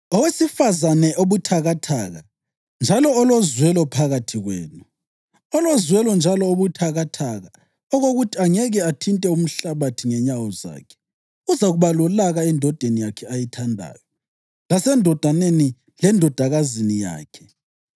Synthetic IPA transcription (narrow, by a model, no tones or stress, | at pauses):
ɔwesifazanɛʔoβutʰaɣatʰaːɣa | nd͡ʒʱalɔːlozwɛlɔpʰaɣatʰiɣwḛːnu | ɔlozwɛlɔnd͡ʒʱalɔoβutʰaɣatʰaɣa | ɔɣoɣutʰiaŋɛɣɛatʰintʼɛum̩ɬaβatʰiŋɛɲawɔza̰ːkʰɛ̥ | uzaɣuβalɔlaɣaɛndʱɔd̥ʱenijakʰɛajitʰandʱa̰ːjɔ | lasɛndʱɔd̥ʱaneni | lɛndʱɔd̥ʱaɣazinija̰ːkʰɛ̥